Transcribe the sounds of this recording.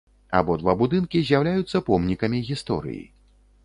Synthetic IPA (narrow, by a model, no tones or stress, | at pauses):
a̰bɔd̪vabud̪ɨnkʲizʲjawlʲajut̪sːɐpɔmnʲikɐmʲiɣʲist̪ɔ̰ɾɨ̰jḭ